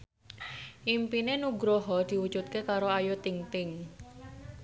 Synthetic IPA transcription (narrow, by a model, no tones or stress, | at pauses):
ʔimpinenuɡɾoɦɔd̪̥i̤wud̥ʒ̥ṳt̪̚kekaɾoajot̪iŋt̪ɪŋ